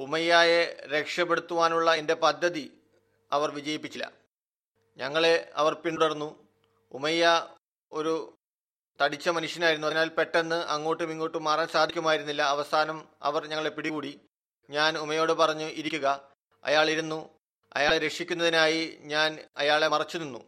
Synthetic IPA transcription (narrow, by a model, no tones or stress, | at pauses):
umɐjːaːjeɾe̞kʂɐpːeɽut̪ːuʋaːnuɭːɐende̞pɐd̪ʱːɐði | ɐʋɐrʋid͡ʑɐjipːit͡ɕːilːɐ̰ | ɲɐŋːɐɭe̞ɐ̰ʋɐrpiɳuɽɐrunːu | umɐjːa | o̞ɾu | t̪ɐɽit͡ɕːɐmɐnuʂjɐnaːjiɾunːuɐnaːlpe̞ʈːe̞nːɨʔɐŋːoːʈːɨmiŋːo̞ːʈːɨmaːraːnsaːd̪ʱikʲːumaːjiɾunːilːɐːʋɐsaːnɐm | ɐ̰ʋɐrɲɐŋːɐɭepiɽikuːɽi | ɲaːnumɐjo̞ːɽɨpɐrɐɲːuʔiɾikʲːuɣɐ | ɐ̰jaːɭiɾunːu | ɐ̰jaːɭeɾe̞kʂikʲːunːɐðinaːjiɲaːnɐjaːɭe̞mɐrɐt͡ɕːuninːṵ